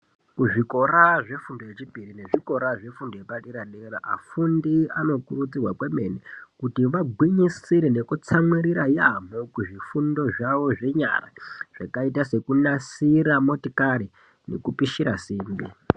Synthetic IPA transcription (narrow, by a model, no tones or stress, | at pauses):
kuʐiko̞raʐe̞fundo̞je̞t͡ʃipirine̞ʐiko̞ɾaʐe̞fundojepaɗiɾaɗeɾaʔa̰fundiano̞kurut͡sirwakwe̞me̞nikutiʋaɡʱwiɲisiɾene̞kut͡samwiɾiɾajam̤okuʐifundo̞ʐaʋo̞ʐe̞ɲa̰ra̰ʐ̥akaitase̞kunasiɾamo̞tikaɾi | ne̞̰kupiʃiɾasiːmbi